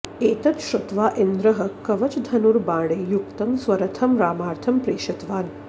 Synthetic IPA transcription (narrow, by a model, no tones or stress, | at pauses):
eːt̪ɐt̪ʃɾut̪ʋaːʔend̪ɾɐɦɐkːɐʋɐt͡ʃd̪ʱɐnuɾbãːɽeːjukt̪ɐmsʋɐɾɐt̪ʰɐmɾaːmaːɾt̪ʰɐmpɾeːʃɐt̪ʋaːn